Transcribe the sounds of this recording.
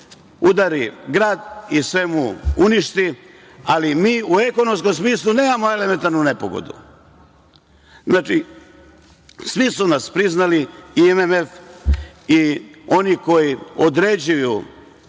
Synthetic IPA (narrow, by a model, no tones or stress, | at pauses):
ud̪aɾiɡɾaːd̪isʋe̞muuniʃt̪i | alimiːue̞konoms̬ko̞msmiːslˠune̞ːmamoe̞leme̞nt̪aɾnune̞po̰ɡo̞̰d̪ṵ | znaːt͡ʃi | sʋisunaspɾiznaliiememef | io̞niko̞jiod̪ɾed͡ʑuju